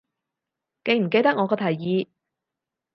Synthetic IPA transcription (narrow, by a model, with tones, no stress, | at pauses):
ke˧jm̩˨˩ke˧jt̪ɐ˥k̚ŋɔː˨˧kɔː˧t̪ʰɐ˨˩jjiː˨˧